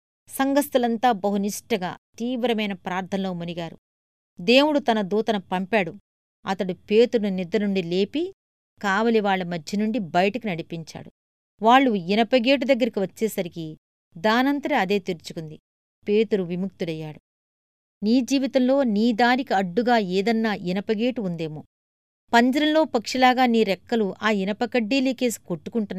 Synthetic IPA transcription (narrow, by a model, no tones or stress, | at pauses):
sɐŋɡɐst̪ɐlɐnt̪aːbɐɦuniʂʈɐɡa̰ːt̪iːʋɾɐmɐjnɐpɾaːɾt̪ʰɐnlo̞ːmuniɡaːɾṵ | d̪e̞ːwuɽut̪ɐnɐd̪uːt̪ɐnɐpɐmpaːɽu | ɐ̰t̪ɐɽupe̞ːt̪uɾununid̪ːɐnuɳɖile̞ːpi | kaːʋɐliʋaːɭːɐmɐd̪ʱjɐnuɳɖibɐjɐʈɐkunɐɽipiɲt͡ʃa̰ːɽu | ʋaːɭːuinɐpɐɡeːʈ̬ud̪ɐɡːɐɾikiʋɐt͡ʃːeːsɐɾiki | d̪aːnɐnt̪ɐɾɐɐd̪e̞ːt̪iɾut͡ʃu̥kund̪i | pe̞ːt̪uɾuʋimukt̪uɽɐjːaːɽu | niːd͡ʒiːʋit̪ɐmlo̞ːniːd̪aːnikiɐɖːuɡaːeːd̪ɐnːaːʔinɐpɐɡe̞ːʈuund̪e̞ːmoː | pɐɲd͡ʒɐɾɐnlo̞ːpɐkʂɐlaːɡaːniːɾɛkːɐluʔaːinɐpɐkɐɖːiːleːke̞ːsi̥koʈːukuɳʈunː